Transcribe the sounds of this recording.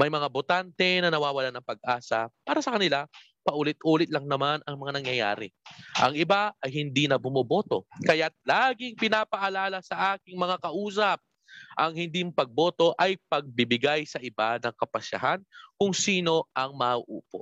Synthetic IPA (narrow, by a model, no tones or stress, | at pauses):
mɐjmɐŋabot̪ant̪ɛnɐnɐwaːwɐlanɐŋpɐɡ̚ʔaːsɐpaːɾɐsɐkɐnɪla | pɐʔuːlɪt̪̚ʔuːlɪt̪̚lɐŋnɐmanɐŋmɐŋanɐŋjɐja̰ːɾɪ̰ʔɐ̰ŋɪbaɐjɦɪnd̪inɐbʊmobo̞ːt̪o̞̰kɐjat̪̚laːɡɪŋpɪnaːpɐʔɐlaːlɐsɐʔaːkɪŋmɐŋakɐʔuːs̬ɐp̚ | ʔɐŋhɪnd̪impɐɡ̚bo̞ːt̪o̞ʔɐjpɐɡ̚bɪbɪɡajsɐʔɪbanɐŋkɐpɐʃɐ̰ɦankʊŋsiːno̞ʔɐŋmɐʔṵːpo̰